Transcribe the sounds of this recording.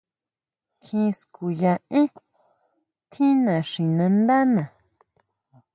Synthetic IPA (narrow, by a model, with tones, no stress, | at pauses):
kʰĩ˧sku˨jã˧ʔĩ˦ | t̪ʰĩ˦nã˨ʂĩ˨nã˧nd̪a˦nã˨